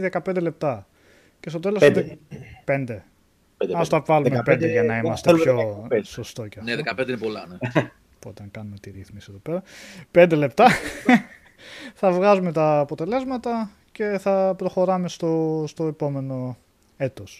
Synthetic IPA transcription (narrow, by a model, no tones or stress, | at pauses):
ðekɐpend̪ele̞p̚t̪ɐ | cest̪o̞t̪e̞los | pe̞nd̪e̞ | ɐst̪ɐvɐlumepend̪eʝɐnɐimɐst̪epçosost̪o̞ceɐneðekɐpnd̪einepolɐne | pot̪ɐŋkɐnume̞t̪iɾiθmisie̞ðo̞pe̞ɾɐpe̞nd̪e̞le̞pt̪ɐ | θɐvɣɐzume̞t̪ɐːpot̪e̞le̞zmɐt̪ɐ | ce̞θɐpɾo̞xo̞ɾɐme̞st̪ost̪o̞epo̞me̞no̞ | e̞t̪os